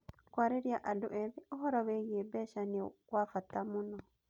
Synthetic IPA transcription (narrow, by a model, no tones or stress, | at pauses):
kwaːɾeɾjaʔadoʔɛβeoɦɔɾɔweɣiebɛʃaniɔkwafatamunɔ